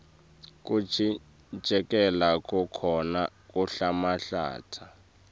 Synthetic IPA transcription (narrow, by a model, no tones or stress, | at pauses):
k̬ʼuʒʱi̥ | d͡ʒ̥ʱɛk̬ʼɛlakʼukʰɔnakʼuɬamaɬa̰ːtʰa